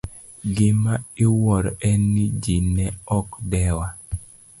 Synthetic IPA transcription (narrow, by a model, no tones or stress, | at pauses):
ɡɪmaɪwɔɾɔɛnːid͡ʒinɛɔkdɛwa